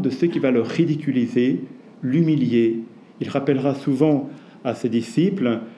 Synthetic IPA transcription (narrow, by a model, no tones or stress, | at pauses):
d̪əsøkʲivaləʁːid̪ikʲylize | lymilje | ilʁapɛlʁasuvɑ̃ | ased̪isipl